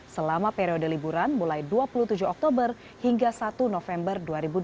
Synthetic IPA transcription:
səlamapeɾiodəlibuɾanmulajduapulut̪ud͡ʒuɔk̚t̪obər | hiŋɡasat̪unofɛmbərduaɾibud

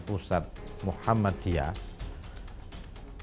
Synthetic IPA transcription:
pusat̪̚muħamːad̪̥ia̰

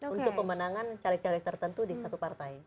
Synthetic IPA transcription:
unt̪ʊk̚pəmənaŋant͡ʃalɪk̚t͡ʃalɪk̚t̪ərt̪ənt̪udisat̪upart̪ai

